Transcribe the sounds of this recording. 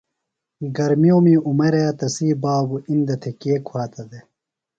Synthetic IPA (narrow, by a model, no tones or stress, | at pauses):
ɡɐɾmioːmiːumɐɾejɐt̪ɐsiːbaːbuʔind̪ɐt̪ʰekeːkʰwaːt̪ɐd̪e